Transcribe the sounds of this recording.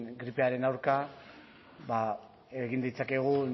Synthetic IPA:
nɡɾipe̞aɾe̞nawɾka | βa | e̞ɣ̞ind̪ijt͡sake̞ɣ̞u

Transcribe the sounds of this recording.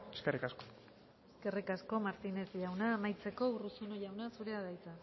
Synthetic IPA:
eskerikasko̥ | eske̞rikasko̞maɾt̪ine̞zʝawnaːmajt͡se̞ko̞urusunoʝawnasuɾe̞aðajt͡sa

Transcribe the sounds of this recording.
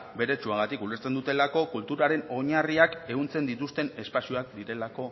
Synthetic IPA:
be̞ɾe̞t͡ʃuaɣat̪ikule̞ɾt͡se̞nd̪ut̪e̞lako̞kult̪uɾaɾe̞no̞ɲariake̞ɣunt͡se̞nd̪it̪ust̪e̞ne̞spasioakd̪iɾe̞lako̞

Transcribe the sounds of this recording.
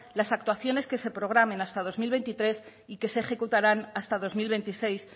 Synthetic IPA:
lasak̚t̪waθjo̞ne̞ske̞se̞pɾo̞ɣ̞ɾamẽ̞nast̪að̞o̞zmilβe̞nt̪it̪ɾe̞s | ike̞se̞ːχe̞kut̪aɾanast̪að̞o̞zmilβe̞nt̪ise̞js

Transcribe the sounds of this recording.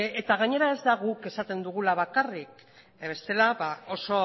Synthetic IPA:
et̪aɣaɲe̞ɾae̞zd̪aɣuke̞sat̪e̞nd̪uɣ̞ulaβ̞akarik | βe̞st̪e̞laβao̞so̞

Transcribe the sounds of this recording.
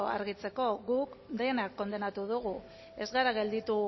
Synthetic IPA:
a̰ɾɣit͡se̞ko̞ɣukd̪e̞nakːo̞nd̪e̞nat̪uðuɣu | e̞zɣaɾaɣe̞ld̪it̪u

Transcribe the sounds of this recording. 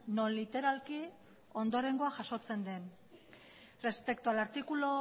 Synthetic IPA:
no̞nlit̪e̞ɾalki | o̞nd̪o̞ɾe̞ŋɡoaʝaʃo̞t͡se̞nd̪e̞n | re̞spe̞k̚t̪ualaɾt̪ikulo

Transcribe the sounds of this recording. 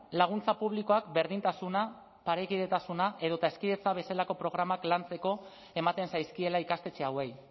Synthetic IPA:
laɣ̞unt͡sapuβliko̞akbe̞ɾðint̪asuna | paɾekiðe̞t̪asunaʔe̞ð̞o̞t̪ae̞skiðe̞t͡saβ̞e̞selako̞pɾo̞ɣ̞ɾamaklant͡se̞ko̞ | e̞mat̪e̞nsajskie̞laikast̪e̞t͡se̞awe̞j

